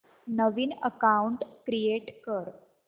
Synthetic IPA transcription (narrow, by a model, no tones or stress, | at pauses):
nəʋiːnəkauɳʈkɾijeʈkəɾ